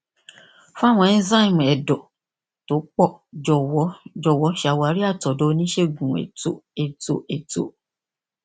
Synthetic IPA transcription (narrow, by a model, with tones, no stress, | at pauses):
fũ˦a˦˨w̃ɔ̃˧ɛ˦˧n̩˦za˦i˦˨m̃˨ɛ˨dɔ˨ | to˨˦k͡pɔ˦˨d͡ʒɔ˨wɔ˨˦d͡ʒɔ˨wɔ˨˦ʃa˨˧˨wa˨˦ɾi˦a˦˨tɔ˨do˦˧˦nĩ˦ʃe˦˨ɡũ˨ḛ˨to˨˦e˨to˨˦ʔe˨to̰˨˦